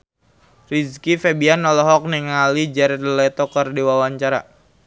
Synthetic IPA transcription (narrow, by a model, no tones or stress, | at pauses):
riskifebianɔlɔɦɔk̚niŋalid͡ʒɛɾɛdlɛt̪ɔkərdiwawaɲt͡ʃaɾa̰